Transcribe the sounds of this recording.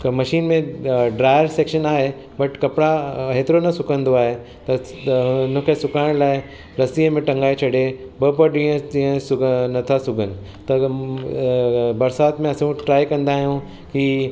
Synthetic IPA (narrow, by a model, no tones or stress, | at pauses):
mɐʃiːnmẽɖɾaːɪəɾseːkʃənaːɦe | bɐʈkɐpɪɽaɦeːt̪ɪɾonɐsʊkə̃nd̪oaːɦe | t̪ɐʊnə̃kʰesʊkaːɪɽ̃laːɪ | ɾɐsiːəmẽʈɐ̃ŋɡaːet͡ʃʰɐɽebɐpɐɾɗĩːə̃d͡ʑiːə̃sʊɡnɐt̪ʰasʊɡʱənɪ̆ | t̪ɐ | bɐɾsaːt̪mẽɐsũʈɾaːikɐ̃nd̪aːɦijũ | ki